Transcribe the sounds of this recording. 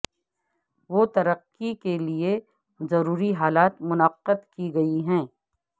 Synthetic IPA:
ʋoːt̪ɐɾəqːikelie | zɐɾuːɾiɦaːlaːt̪mʊnəqːəd̪kiɡɐiɦɛ̃ː

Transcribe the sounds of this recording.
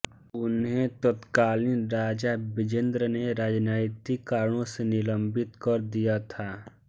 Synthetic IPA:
ʊnɦet̪ət̪kaːlinɾaːd͡ʒabɪd͡ʒə̃nd̪ɾəneɾaːd͡ʒnaɪt̪ikaːɾəɽ̃õsenɪlə̃mbɪt̪kəɾd̪ijat̪ʰaː

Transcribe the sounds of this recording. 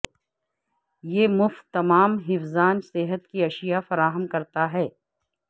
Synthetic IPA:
jeːmʊft̪ːɐmaːmɦɪfzaːnsɪɦət̪kiɐʃijafɐɾaːɦəmkɐɾt̪aɦɛː

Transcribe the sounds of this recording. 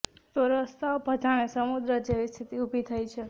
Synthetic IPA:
t̪oɾəst̪aopəd͡ʒaɽ̃esəmud̪ɾəd͡ʒeʋist̪ʰit̪iubʱit̪ʰəjt͡ʃʰe

